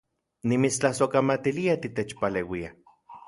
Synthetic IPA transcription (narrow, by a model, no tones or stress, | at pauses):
nimit͡st͡ɬahsokamat̪iliat̪it̪et͡ʃpalewia